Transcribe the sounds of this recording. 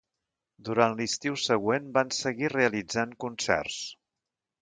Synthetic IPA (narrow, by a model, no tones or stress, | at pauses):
d̪uɾanlist̪iwsəɣwenbansəɣireəlid͡zaŋkunsɛ̰rs